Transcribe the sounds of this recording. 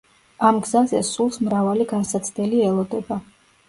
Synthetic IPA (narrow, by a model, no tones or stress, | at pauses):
amɡzazɛsulˠsmɾavaliɡansat̪sʰd̪ɛliɛlˠɔd̪ɛba